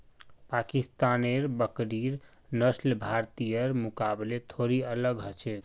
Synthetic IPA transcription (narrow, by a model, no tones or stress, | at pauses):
pakist̪aneɾbəkɾiɾ | nəslbʱaɾt̪ijəɾmukablet̪ʰoɾiələɡɦət͡ʃʰek